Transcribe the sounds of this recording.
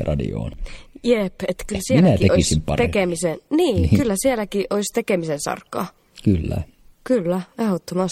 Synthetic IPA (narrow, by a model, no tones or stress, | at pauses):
rɑdḭo̰ːnjepet̪kylsiemilnætieoisimpɑ̰ekemisenniːkylːæsielækiʔʔoist̪ekemisensɑ̰rkːˑɑː | kylːæ̰ | kylːæehot̪ːomɑs